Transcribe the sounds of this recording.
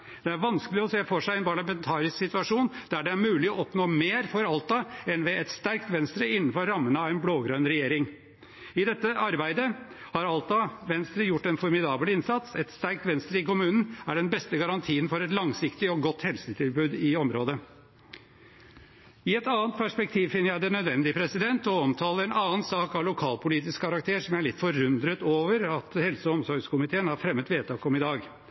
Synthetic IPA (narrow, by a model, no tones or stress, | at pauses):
d̪̥ɛæɾʋɑnskəlɪɔseːfɔʂæɪɛnpʰɑɭɑmɛnt̪ʰɑːɾɪsksɪt̪ʉɑʂuːnd̪̥æɖɛæɾmʉːlɪɔɔpnoːmeːɾfɔɾɑlt̪ɑɛnʋɛʔɛt̪st̪æɾkt̪ʋɛnst̪ɾəɪnːn̩fɔɾːɑmːənəɑʋæɪnbloːɡɾœnɾɛjeːɾɪŋ | ɪd̪ɛt̪ːəʔɑɾbæɪd̪əhɑɾɑlt̪ɑʋɛnst̪ɾəjʊʈːɛnfɔɾmɪd̪ɑːblɪnsɑt̪sɛt̪st̪æɾk̚t̪ʋɛnst̪ɾəɪkʊmʉːnn̩æɖɛnbɛst̪əɡɑɾɑnt̪ʰiːənfɔɾɛt̪lɑŋsɪkt̪ɪɔɡɔt̪hɛlsət̪ʰɪlbʉːd̪ɪɔmɾoːd̪ə | ɪɛt̪ɑːnt̪̚pʰæʂpɛk̚t̪ʰiːʋfɪnːəɾjæɪd̪ɛnœd̪ʋɛnd̪ɪəpʰɾɛsɪd̪ɛnt̪ɔɔmt̪ʰɑːləɾɛnɑːənsɑːkɑʋlʊkʰɑːlpʰʊliːt̪̬ɪskkʰːɑɾɑkt̪ʰeːʂɔmæɭɪt̪ːfɔɾʉnd̪ɾət̪oːʋəɾɑt̪hɛlsəɔɔmsɔɾɡskʊmɪt̪ʰeːənhɑɾfɾɛmːət̪ʋeːt̪ʰɑːkɔmɪd̪ɑːɡ